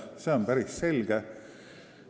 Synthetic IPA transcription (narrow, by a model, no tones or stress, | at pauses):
seonpæɾisse̞lɡ̥e